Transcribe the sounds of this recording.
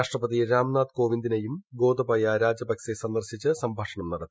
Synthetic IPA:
aːʂʈrɐpːɐðiɾaːmnaːd̪ko̞ːʋind̪inɐjumɡo̞ːd̪ɐbɐjaɾaːd͡ʑɐbɐksesɐnd̪ɐrɕit͡ɕːɨsɐmbʱaːʂɐɳɐmnɐɽɐt̪ːi

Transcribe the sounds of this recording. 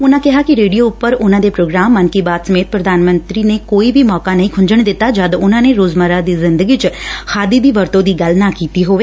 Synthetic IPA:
ʊnãːkɪɦaːkɪɾeːɖijoːʊpːəɾʊnãːd̪eːpɾoːɡɾaːmːənkiːbaːt̪səmeːt̪̚pɾəd̪aːnmənt̪ɾiːneːkoːiːbʱiːmɔːkaːnəɦĩkʰʊɲd͡ʒəɳd̪ɪt̪ːaːd͡ʒad̪ʊnãːneːɾoːzməɾaːd̪iːzɪnd̪əɡiːt͡ʃkʰaːd̪iːd̪iːʋəɾt̪õːd̪iːɡəlnãːkiːt̪iːɦoːʋeː

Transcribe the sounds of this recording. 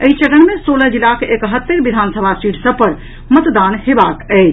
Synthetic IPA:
əit͡ʃəɽənmesoləd͡ʒilakekɦət̪ːeɾbid̪ʱansəbʱasiʈsəb̚pəɾ | mət̪d̪anɦebakəɪt͡ʃʰ

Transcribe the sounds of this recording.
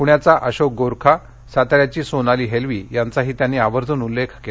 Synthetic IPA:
kuɳjat͡saʔəɕok̚ɡoɾkʰa | sat̪ɾjat͡ɕiːsonaliːɦelʋiːjant͡saɦiːt̪janːiːaʋəɾd͡z̪ʱuːnulːekʰke

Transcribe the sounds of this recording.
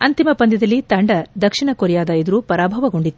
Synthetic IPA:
ɐnt̪imɐpɐnd̪ɐd̪ɐlːit̪ɐɳɖɐd̪ɐkʂiɳɐkoɾijaːd̪ɐjid̪ɐɾupɐɾaːbʱɐʋɐɡo̞ɳɖit̪ːu̥

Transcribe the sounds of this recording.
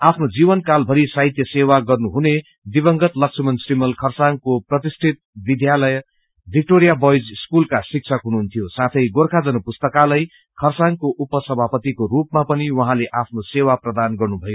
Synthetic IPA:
apʰnod͡zibʌnkalbʱʌɾisaɦit̪jʌsewaɡʌrnuɦune | d̪ibʌŋɡʌt̪lʌksʰʌmʌnsrimʌlkʰʌrsaŋkoprʌt̪isʈʰit̪̚bid̪ʱjalʌj | bʱik̚ʈoɾijabʌjd͡zskulkasik̚t͡sʰʌkɦunuɦunt̪ʰijosat̪ʰʌjɡorkʰad͡zʌnupust̪ʌkalʌj | kʰʌrsaŋkoʔupʌsʌbʱapʌt̪ikorupmapʌniwʌɦãleʔapʰnosewaprʌd̪anɡʌrnubʱʌjo

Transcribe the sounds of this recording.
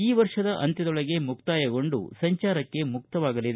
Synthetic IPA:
iːʋɐɾʂɐd̪ɐʔɐ̰nt̪ɐd̪ɔɭɐɡe̞muk̚t̪aːjɐɡo̞ɳɖṵsɐɲt͡ʃaːɾɐkːe̞muk̚t̪ɐʋaːɡɐlid̪e

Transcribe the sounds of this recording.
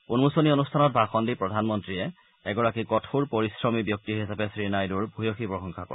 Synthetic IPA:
punmusɔnionustʰanɔt̚bʱaxɔndipɹɔdʱanmɔntɹiɛ | ɛɡɔɹakikɔtʰuɹpɔɹisɹɔmibjɔk̚tiɦisapɛsɹinajduɹbʱujoxipɹɔxɔŋkʰakɔ̰ɹa

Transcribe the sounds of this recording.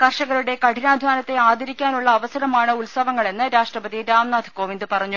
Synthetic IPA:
kɐrʂɐɣɐɾuɽe̞kɐʈinaːd̪ʱʋaːnɐt̪ːe̞aːd̪iɾikʲːaːnuɭːɐːʋɐsɐɾɐmaːɳɨulsɐʋɐŋːɐɭe̞nːɨɾaːʂʈrɐpɐðiɾaːmnaːd̪ʱiko̞ːʋind̪ɨpɐrɐɲːu

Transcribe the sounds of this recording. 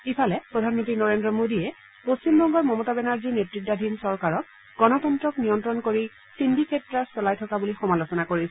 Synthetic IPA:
ipʰalɛpɹɔdʱanmɔntɹinɔɹendɹɔmodiɛ | post͡ɕimbɔŋɡɔɹmɔmɔtabɛnaɹzinetɹit̚dadʱinsɔɹkaɹɔk̚ | ɡ̥ɔnɔtɔntɹɔknijɔntɹɔnkoɹi | sindʱikʰɛtɹasɔlajtʰɔkabulixɔmalosɔnakoɹisɛ

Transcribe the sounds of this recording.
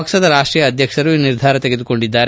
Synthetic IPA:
ɐksɐd̪ɐɾaːʂʈɾijɐːd̪ʱjɐkʂɐɾuiniɾd̪ʱaːɾɐt̪eɡed̪uko̞ɳɖid̪ːaːɾ

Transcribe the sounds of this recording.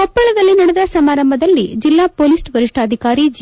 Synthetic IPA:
ɔpːɐɭɐd̪ɐlːinɐɽɛd̪ɐsɐmaːɾɐmbɐd̪ɐlːid͡ʒilːaːpoːlisʈʋɐɾiʂʈaːd̪ʱikaːɾid͡ʒ

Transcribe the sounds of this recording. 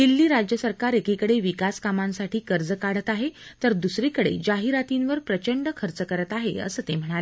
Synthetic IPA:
ɦilːiːɾad͡ʑjəsəɾkaɾekikəɽeʋikaskamãnsaʈʰiːkəɾd͡zəkaɽət̪aɦet̪əɾd̪usɾiːkəɽḛd͡ʑaɦiɾat̪inʋəɾpɾət͡ɕəɳɖəkʰəɾt͡səkəɾət̪aɦḛə̰səːt̪em̤əɽ̃ale

